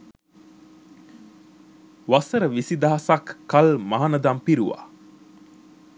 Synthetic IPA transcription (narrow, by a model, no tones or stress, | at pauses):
ʋasəɾəʋisid̪aɦasakːalmaɦanəd̪ampiɾuʋa̰